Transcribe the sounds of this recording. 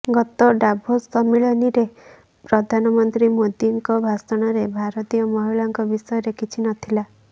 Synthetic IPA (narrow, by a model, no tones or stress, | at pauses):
ɡɔt̪ɔɖabʱosɔmiɭɔniɾe | pɾɔd̪ʱanɔmɔnt̪ɾimod̪iŋkɔbʱasɔɽ̃ɔɾebʱaɾɔt̪ijɔmɔɦiɭɔŋkɔbisɔjɔɾekʰit͡ʃʰinɔt̪ʰila